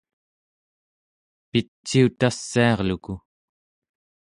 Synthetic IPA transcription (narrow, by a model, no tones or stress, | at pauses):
pit͡ʃːiut̪asːiɑʁluku